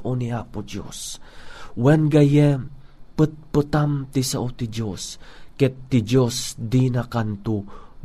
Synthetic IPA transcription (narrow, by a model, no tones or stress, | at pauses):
ʔoniapʊd͡ʒo̰s | wɛnɡajɛpət̪̚pət̪amt̪isaʔot̪id͡ʒoskɛt̪ːid͡ʒosd̪inakant̪u